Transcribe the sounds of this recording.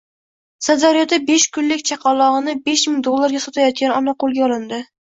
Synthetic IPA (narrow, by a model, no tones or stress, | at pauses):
sad̪aɾjɒd̪abeʃkʊnlɪkʲt͡ʃʰɑqʰɑlˠːɒʁɨnɪbeʃmɪŋd̪olˠːaɾɡʲasɒt̪ʰajɒt̪̚kʲanɒnaqolˠɡʲaɒlˠɪnd̪ɪ